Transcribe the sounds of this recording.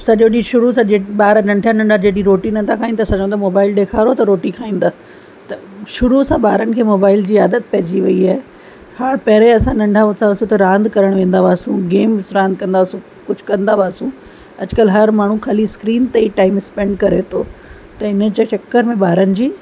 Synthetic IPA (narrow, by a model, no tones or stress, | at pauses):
sɐʄoɗiʃʊɾusɐʄeɓaːɾnɐ̃ɳɖʱijãnɐ̃ɳɖʱad͡ʑeːɗĩɾoːʈĩnɐt̪ʰakʰaːɦĩːnt̪ɐsaɐ̃t͡ɕɐ̃ɐ̃t̪amoːbaːɪlɗeːkʰaːɾot̪ɐɾoːʈĩkʰaːĩːn̆d̪aː | t̪ɐ | ʃʊɾusãɓaːɾənɪ̆kʰeːmoːbaːɪld͡ʑiːaːd̪ət̪̚pɐɦɪd͡ʑiʋɐiaːɦe | haːɾpɐɦɪɾeɐsãnɐ̃ɳɖʱasaʋaːsũt̪ɐɾãːnd̪kɐɾəɽ̃ʋẽːn̆d̪aʋaːsũɡeːmzɾãːnd̪̚kɐ̃nd̪aʋaːsũ | kʊd͡ʑʱkɐ̃nd̪aʋaːsũ | ɐd͡ʑʊkəlɦɐɾmaːɳ̤ũkʰɐliskɾiːnt̪eiʈaːɪmɪspẽːɳɖkɐɾet̪ʰoː | t̪ɐɪnə̆d͡ʑet͡ɕɐkːəɾmẽɓaːɾənɪ̆d͡ʑiː